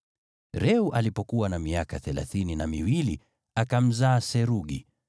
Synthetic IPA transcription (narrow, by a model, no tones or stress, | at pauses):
ɾɛuʔalipɔkuwanamiakaθɛla̰θininamiwili | akam̩zaːsɛɾuɠḭ